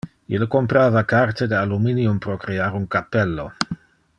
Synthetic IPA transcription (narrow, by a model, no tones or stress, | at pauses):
ilkompɾaːvakart̪ed̪ealuminiumpɾokɾeaɾuŋkapelːo